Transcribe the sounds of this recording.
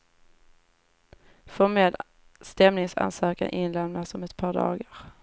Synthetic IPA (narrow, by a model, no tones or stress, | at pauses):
fɔmeːd̪ | st̪ɛmnɪŋsa̰nsœːka̰nʔɪnlɛmnasɔmɛt̪pʰɑːɖɑ̰ːɡəɾ